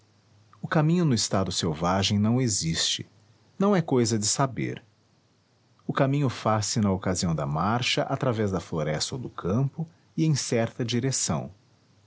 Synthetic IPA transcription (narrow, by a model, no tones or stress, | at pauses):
ʊkamĩɲʊnʊɪst̪ad̪ʊsewvaʒẽj̃nɐ̃w̃ezist͡ʃɪ̥̰ | nɐ̃w̃ɛkojzɐd͡ʒɪsabḛɾ | ʊkamĩɲʊfasɪnɐokaziɐ̃w̃d̪ɐmaɾʃɐʔat̪ɾavɛzd̪ɐfloɾɛst̪od̪ʊkʰɐ̃mpʊ | ɪẽj̃sɛɾt̪ɐd͡ʒiɾesɐ̰̃w̃